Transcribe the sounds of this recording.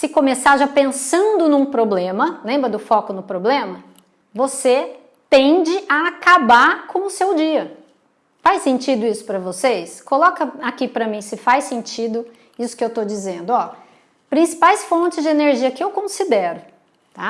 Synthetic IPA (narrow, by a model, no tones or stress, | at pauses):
sɪkõmesaʒapẽsɐ̃nd̪ʊnũpɾoblẽmɐlẽmbɾɐd̪ʊfɔkʊnʊpɾoblẽmɐ | vose | t̪ẽnd͡ʒɪʔaakabaɾkõw̃ʊsewd͡ʒiɐ | fajsẽnt͡ʃid̪ʊisʊ̥pɾɐvosejskolɔkɐakipɾɐmĩsɪfajsẽnt͡ʃid̪ʊ | isʊ̥kɪewt̪od͡ʒizẽnd̪ʊɔ | pɾĩsi̥pajsfõnt͡ʃɪzd͡ʒɪeneɾʒiɐkɪewkõsid̪ɛɾʊ | t̪a